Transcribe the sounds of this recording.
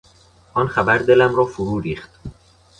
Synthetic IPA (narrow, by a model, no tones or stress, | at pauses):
ʔɒːnχæbæɾd̪e̞læmɾɒːfoɾuːɾiːχt̪